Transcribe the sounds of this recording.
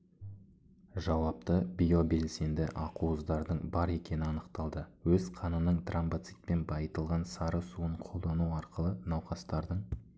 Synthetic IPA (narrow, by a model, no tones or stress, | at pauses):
ʒɑwɑp̚t̪əbijobe̞lse̞nd̪ɪ̰ʔɑquəzd̪ɑɾd̪əɴbɑɾe̞kʲe̞nɪɑnəqt̪ɑlˠd̪əwɵzqʰɑnənəɴt̪rambat̪sit̪̚pe̞nbɑjət̪əlˠʁɑnsɑɾəsuəɴqʰolˠd̪ɑnuɑɾqəlˠənɑwqɑst̪ɑɾd̪əɴ